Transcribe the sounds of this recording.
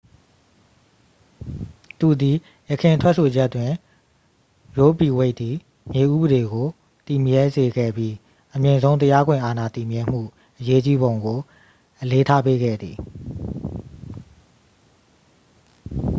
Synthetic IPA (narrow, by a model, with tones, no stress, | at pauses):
t̪ṵ˦˨d̪i˨ | jə˨kʰɪ̃˨ntʰwɛ˦ʔsʰo˨d͡ʑɛ˦ʔtːwɪ̃˨ | jo˦bi˨we˦ɪʔ̪i˨ | mje˨ʔṵ˦˨bəɾe˨ɡo˨ | t̪i˨mjɛ˦ze˨ɡɛ̰˦˨bji˦ | ʔəmjɪ̃˨zõ˦ʊ̃nt̪ə˦ja˦ɡwɪ̃˨ʔa˨na˨t̪i˨mjɪ̃˨m̥ṵ˦˨ | ʔəje˦t͡ɕi˦bõ˨ʊ̃ŋɡo˨ | ʔəle˦tʰa˦pe˦ɡɛ̰˦˨d̪ði˨